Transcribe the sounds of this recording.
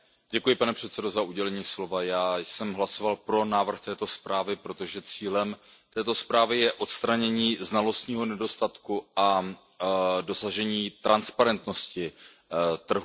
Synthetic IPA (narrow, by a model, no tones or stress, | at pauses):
ɟɛkujɪpanɛpr̥ɛt̪sɛdo̞zaʔuɟɛlɛɲiːslo̞vajaːjsɛmɦlaso̞valpɾo̞naːvr̩xt̪ɛːt̪o̞spɾaːvɪpɾo̞t̪o̞ʒɛt͡siːlɛmt̪ɛːt̪o̞spɾaːvɪjɛʔo̞t̪st̪ɾaɲɛɲiːznalo̞st̪ɲiːɦo̞nɛdo̞st̪at̪kua | do̞saʒɛɲiːt̪ɾʔanspaɾɛnt̪no̞scɪ | t̪r̩ɦu